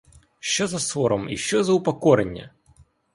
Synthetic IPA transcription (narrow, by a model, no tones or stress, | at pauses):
ʃt͡ʃɔzɐsɔɾɔmḭʃt͡ʃɔzɐʊpɐkɔɾenʲːɐ̰